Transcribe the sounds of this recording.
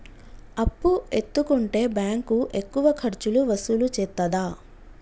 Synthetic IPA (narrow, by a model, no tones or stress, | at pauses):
ɐpːuet̪ːukuɳʈe̞ːbjaːŋkuʔe̞kːuʋɐkʰɐɾt͡ʃuluʋɐsulut͡ʃɛt̪ːɐd̪aː